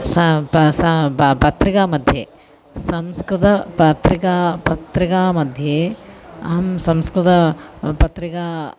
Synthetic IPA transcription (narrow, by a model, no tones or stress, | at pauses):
sɐsɐpɐt̪ɾikaːmɐd̪ʱje | sɐmskɾut̪ʰɐpɐt̪ɾikaːpɐt̪ɾikaːmɐd̪ʱje | ɐɦɐmsɐmskɾut̪ɐpɐt̪ɾikaː